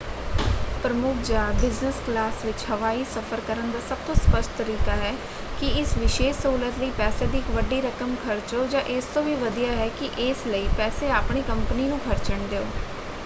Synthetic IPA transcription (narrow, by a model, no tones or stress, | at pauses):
pɾəmʊkʰd͡ʒaːbɪznəsklaːsʋɪt͡ʃhəʋaːiːsəfʰəɾkəɾənd̪aːsəb̚t̪õːspəsʈt̪əɾiːkaːɦɛː | kɪɪsʋɪʃeːʃsuːlət̪ləiːpɛːseːd̪iːɪkʋəɖiːɾəkəmkʰəɾt͡ʃoːd͡ʒãːʔɪst̪õːʋiːʋəd̪ijaːɦɛːkɪʔɪːsləiːpɛːseːaːpɳiːkəmpniːnũːkʰəɾt͡ʃəɳd̪eːoː